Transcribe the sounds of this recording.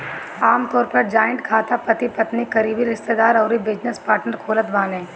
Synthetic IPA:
aːmt̪ɔːɾpɐɾd͡ʒaːjə̃ɳʈkʰaːt̪apɐt̪ipɐt̪nikɐɾiːbiɾɪst̪ed̪aːɾɔːɾibɪd͡ʒnəspaːɾʈnəɾkʰoːlət̪baːnẽː

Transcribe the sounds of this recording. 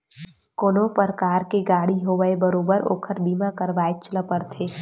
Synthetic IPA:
koːnopəɾkaːɾkeɡaːɽiɦoːʋəebəɾoːbəɾo̰ːkʰəɾbiːmãkəɾʋaːet͡ʃələpəɾt̪ʰeː

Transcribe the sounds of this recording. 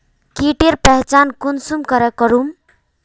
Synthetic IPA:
kiʈeɾpɛɦt͡ʃankunsumkəɾəkːəɾum

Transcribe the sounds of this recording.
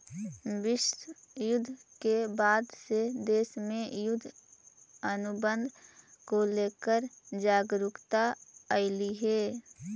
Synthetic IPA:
bɪʃjʊd̪ʱːkebaːd̪sed̪eːsmẽjʊd̪ʱː | ənʊbə̃nd̪ʱkoleːkəɾd͡ʒaːɡɾʊkt̪aəɪliɦɛː

